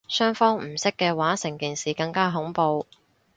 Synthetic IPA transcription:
sœː˥ŋfɔː˥ŋm̩˨˩sɪ˥kːɛː˧waː˨˥sɪ˨˩ŋkiː˨nsiː˨kɐ˧ŋkaː˥ɦʊ˨˥ŋpo˧w

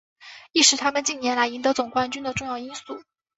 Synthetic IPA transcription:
i˥˩ʂɻ̩˧˥t̪ʰa˥mə˨nt͡ɕi˥˩njɛ˧˥nla˧˥ɪi˧˥nt̪ɤ˧˥t͡sʊ˨˩ŋkwa˥nt͡ɕy˥nd̪ə˨ʈ͡ʂʊ˥˧ŋjɑ˥˩ʊi˥nsu˥˩

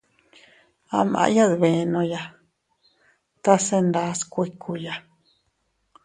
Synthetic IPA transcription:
a̰˧mã̰˧˦ja˦ðβe˨˧nõ˧ja˧ | t̪a˦se˧nd̪a˦skʷe˧kʰu˧ja˧

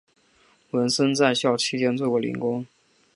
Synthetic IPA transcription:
wə˧˥nʂə˥nt͡sa˥˧ɪɕjɑ˥˩ʊt͡ɕʰi˥t͡ɕjɛ˥˧nt͡swo˥˩kwɔ˧˥˩lḭ˧˥ŋkʊ˥ŋ

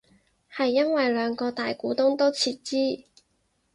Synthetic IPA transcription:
hɐ˨jːɐ˥nwɐ˨jlœː˨˧ŋkɔː˧t̪aː˨jkuː˨˥t̪ʊ˥ŋt̪o˥wt͡sʰiː˧t̚t͡siː˥

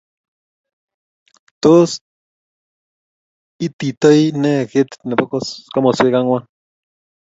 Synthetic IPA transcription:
t̪o˦s | i˦t̪i˨t̪ə˦jnɛ˦kɪ˦t̪nɛ˨pɔ˦kska˦mɔ˨sɪ˦ka˦ŋwa˦

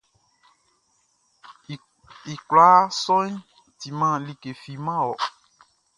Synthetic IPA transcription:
i˨kɾa˨˦sɔ̃˦ĩ˦ | ti˧˦mãː˦li˦˨ke˨fi˧mã˦˨ɔ˨

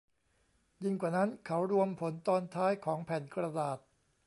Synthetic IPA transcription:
ji˧ŋkwaː˨˩na˦˥nkʰa˦˥wɾu˧əmpʰo˩˦nt̪ɔː˧nt̪ʰaː˦˥jkʰɔː˩˦ŋpʰɛ˨˩nkɾa˧daː˨˩t̪̚

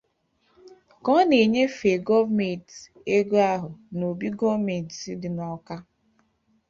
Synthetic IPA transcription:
kɔ˦ne˨ɲe˦fe˨ɡɔ˦vme˨t | e˦ɡo˦a˦ɦʊ˨no˨bi˦ɡɔ˦vme˨ntsi˦dɪ˨˦nɔ˨ka˦

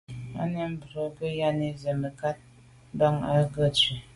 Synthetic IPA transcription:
a̰˦nə˦m̩˦bɾo˨kə˦ja˦ni˦ze˨mə˨ka˦t̚ | ba˦ŋa˦ɡə˦˨t͡ʃi˨

